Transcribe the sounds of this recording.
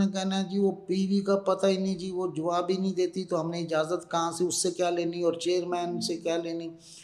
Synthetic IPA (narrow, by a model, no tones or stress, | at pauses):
ẽkɛɦnaɛ̃d͡ʒiːʋoːpiːʋikapɐt̪ainĩd͡ʒiːʋod͡ʒʊʋaːbʱinəɦĩd̪eːt̪it̪oɦɐmneɪd͡ʒaːzət̪kɐɦãsiʊsːekjaːleːniɔːɾt͡ʃeːəɾmɛːnsekjaːleːniː